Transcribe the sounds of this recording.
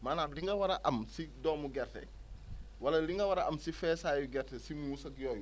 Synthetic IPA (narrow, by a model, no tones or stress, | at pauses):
maːnaːnliŋɡɐwɐɾɐʔɐmsidɔːmuɡɛrtɛ̰ | wɐlɐliŋɡɐwɐɾɐʔɐmsifɛːsaːjuɡɛrtɛsimusɐkjɔːju